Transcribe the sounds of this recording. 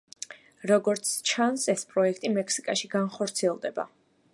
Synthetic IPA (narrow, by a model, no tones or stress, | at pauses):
ɾɔɡɔɾt̪sʰt͡ʃʰansɛspʼɾɔɛkʰt̪ʼimɛkʰsikʼaʃiɡanχɔɾt̪sʰiɛlˠd̪ɛba̰